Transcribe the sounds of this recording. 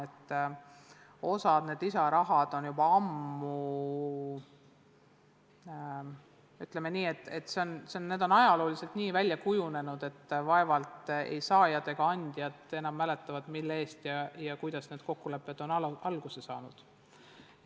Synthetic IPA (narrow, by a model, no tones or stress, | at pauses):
et̪ː | o̞sɑd̪̥ne̞ːd̪̥isɑɾɑɦɑd̪̥o̞njubɑɑmːu | yt̪leme̞niːe̞t̪ːˑe̞t̪ːˑse̞o̞nseonːe̞ːd̪̥o̞nɑjɑloːlise̞lt̪niːvælʲːjɑkujune̞nud̪̥e̞t̪ːvɑe̞vɑlt̪ˑḛjsɑːjɑd̪̥e̞ɡ̥ɑɑnʲd̪̥jɑt̪ˑe̞nɑmːæle̞t̪ˑːɑvɑd̪̥milːee̞ːst̪jɑjɑkujd̪̥ɑsne̞ːd̪̥ko̞kːule̞pːˑe̞d̪̥o̞nɑɑlɡ̥usesɑːnud̪̥